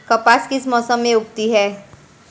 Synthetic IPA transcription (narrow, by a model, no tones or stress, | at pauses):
kəpaskismɔsəmẽuk̚t̪iɦɛː